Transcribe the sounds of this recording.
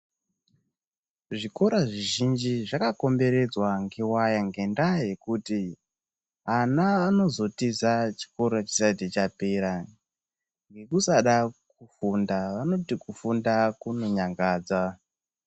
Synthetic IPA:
ʐiko̞ɾaʐiʒind͡ʒiʐakako̞mbe̞ɾe̞d͡zwaŋɡewajaŋɡe̞ndaje̞kuti | anaːno̞zo̞tizat͡ʃi̥ko̞ɾat͡ʃi̥sat̬it͡ʃapeɾa | ŋɡe̞kusaɗak̚ufundaʋano̞tikufundakuno̞ɲaŋɡaːd͡za

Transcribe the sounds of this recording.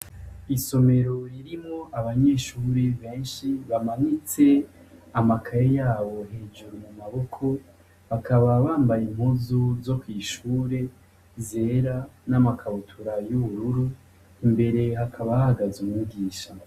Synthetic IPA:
iso̞me̞ɾoɾiɾimŋo̞ʔaβaɲe̞ːʃuːɾeβe̞ːnʃiβamaɲit͡se̞ | amakʰaɾejaːβo̞ɦe̞ːd͡ʒuɾumumaβo̞kʰo̞ | βakʰaβaβaːmbajim̥huzozo̞kwiːʃuːɾe̞ | ze̞ːɾanamakʰaβutʰuɾajuβuɾuɾu | imbe̞ɾe̞ɦakʰaβahaɡazumuɡiːʃa

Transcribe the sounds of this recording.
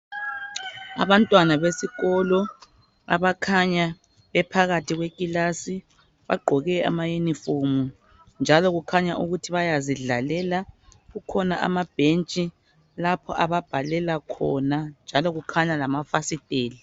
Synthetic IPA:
a̰βantʼwanaβesiɣɔlɔ | a̰βakʰaɲa | βɛpʰaɣatʰiɣwekʼilasi | βa̰ɡ͡ǃʱɔɣɛa̰majenifomu | nd͡ʒʱalɔɣukʰaɲaʔuɣutʰiβajaziɮalɛlaɣukʰɔnaʔa̰mab̥ʱent͡ʃʼi | lapʰɔʔaβab̥ʱalɛlakʰɔ̰nand͡ʒʱalɔɣukʰaɲalamafasitʼeːli

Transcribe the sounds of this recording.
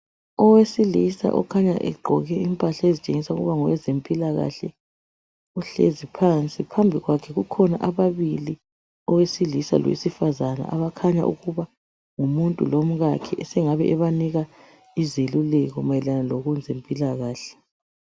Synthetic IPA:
ɔwesilisa̰ʔɔ̰kʰaɲa̰ʔɛ̰ɡ͡ǃʱɔ̰ɣɛimpʼaɬaezit͡ʃʼeŋisauɣuβaŋɔwɛzempʼilaɣa̰ɬɛ | uɬḛzipʰant͡sʼipʰambʱiɣwakʰɛɣukʰɔnaʔaβaβili | ɔwesilisa̰lɔ̰wḛsifazana̰ʔaβakʰaɲa̰ʔuɣuβa | ŋumuntʼulom̩ɣakʰɛɛsɛŋaβɛʔɛβaniɣa | izelulɛɣɔmajɛlanaloɣund͡zʱempʼilaɣaːɬɛ̥

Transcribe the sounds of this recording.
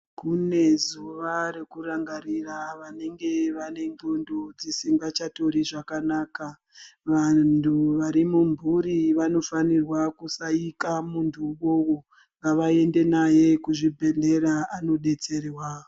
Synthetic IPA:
kune̞zuʋaɾe̞kuɾaŋɡaɾiraʋane̞ŋɡe̞ʋane̞ŋɡundʱud͡zisiŋɡat͡ʃato̞ɾiʐakanaːka | ʋantʰuʋaɾimumbʱuɾiʋano̞fanirwakusaikamuntʰuwowo | ʋaʋae̞nde̞naje̞kuʐibʱe̞ɮe̞ɾaano̞ɗe̞t͡se̞rwa

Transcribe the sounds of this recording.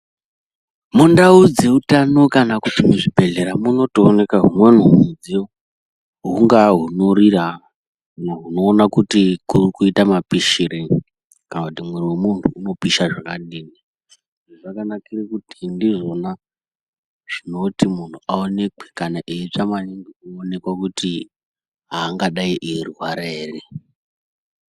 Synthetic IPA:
mundaud͡ze̞utanokanakutimuʐibʱe̞ɮe̞ɾamuno̞toːne̞kaɦumwenuɦumud͡ze | ɦuŋɡaɦunorira | naɦuno̞ːnakutikurkuitamapiʃiɾei | kanakutimweɾiwemuntʰuːno̞piʃaʐakaɗiːni | ʐiʐakanakirekutindiʐo̞na | ʐ̥ino̞timun̤ʰuʔaone̞kwe̥kanaʔeit͡ʂamaɲiŋɡiuone̞kwakuti | ɦaːŋɡaɗaiʔirɦwaɾeːre

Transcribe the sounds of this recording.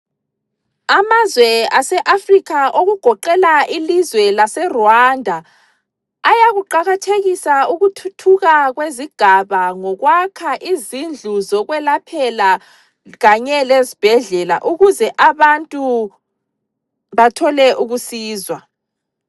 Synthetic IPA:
amazwɛasɛʔafrikʰaʔoɣuɡ̥ʱɔǃɛlaʔilizwɛlasɛrɔandʱaː | jaɣuǃaɣatʰeɣisauɣutʰutʰuɣaɣweziɡ̥ʱaβaŋɔɣwakʰaʔizind͡ɮʱuzɔɣwɛlapʰɛla | ɣaɲɛlezib̥ʱɛɮɛlaʔuɣuzɛʔaβantʼu | βatʰɔlɛʔuɣusiːzwa

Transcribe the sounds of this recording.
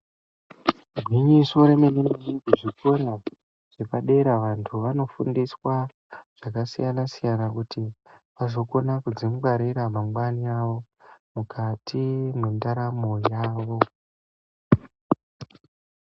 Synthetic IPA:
ɡʱwiɲiso̞ɾe̞menemeneɡuʐikona | ʐ̥epaɗe̞ɾaʋantʰuʋano̞fṵndiswa | ʐ̥akasijanasijanakutipazo̞ko̞nakud͡zimukaɾiɾamaŋɡwaniaʋo̞ | mukʰatʰimwe̞ndaɾamo̞jaːʋo̞

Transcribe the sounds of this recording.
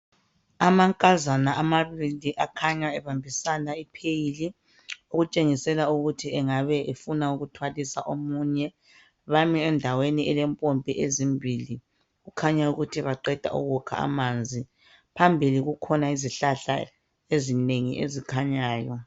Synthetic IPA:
amaŋkʼazanaʔamaβiliʔakʰaɲaɛβambʱisanaipʰejili | uɣut͡ʃʼeŋisɛlauɣutʰiɛŋaβɛʔefunauɣutʰwalisa̰ʔomuːɲɛ | βamiɛndʱaweniɛlɛmpʼompʼiʔezimbʱili | ɣukʰaɲauɣutʰiβaǃɛd̥ʱa̰ṵɣukʰa̰a̰maːnd͡zʱi | pʰambʱiliɣukʰɔnaiziɬaɬa̰ | ezineŋḭʔḛzikʰaɲaːjɔ

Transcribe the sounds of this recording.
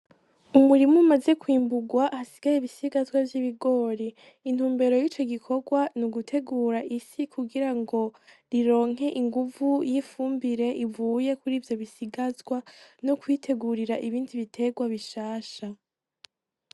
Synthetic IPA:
umuɾimumaze̞kwiːmbuɡwaʔasiɡ̥ajeβisiɡazwavjiβiɡo̞ːɾe | in̥huːmbe̞ɾo̞jiːt͡ʃo̞ɡikʰo̞ɡwanuɡutʰe̞ɡuːɾaʔisikuɡiɾaŋɡo̞ | ɾiɾo̞ːŋ̥e̞ʔiŋɡuvujifuːmbiɾe̞ʔivuːje̞kuɾiːvjo̞βisiɡazɡwanokwiːtʰe̞ɡuɾiɾaʔiβiːndiβitʰe̞ɡwaβiʃaːʃa

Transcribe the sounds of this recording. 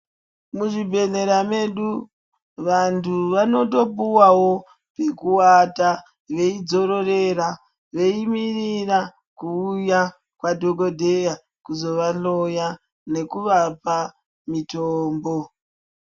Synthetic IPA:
muʐibʱe̞ne̞ɾame̞ɗu | ʋantʰuʋano̞to̞puwawo̞ | pe̞kuwata | ʋe̞id͡zo̞ɾo̞re̞ra | ʋe̞imirira | kuːja | kwadʱoɡo̞dʱe̞ja | kuzo̞ʋaɬo̞ja | ne̞kuʋapa | mitoːmbo̞

